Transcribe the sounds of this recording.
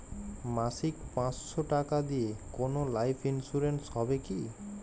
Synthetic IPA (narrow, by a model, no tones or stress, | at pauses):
masikpãt͡sʃɔʈakad̪ijekonolajpʰinsuɾensɦɔbeki